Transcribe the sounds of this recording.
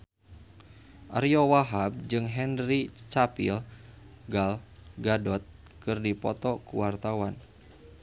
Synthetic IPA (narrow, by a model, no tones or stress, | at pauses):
ʔaɾiɔwaɦab̚d͡ʒɨŋɦɛnrit͡ʃapḭlɡalɡadɔt̪̚ | kɨrdipɔt̪ɔkuwart̪awan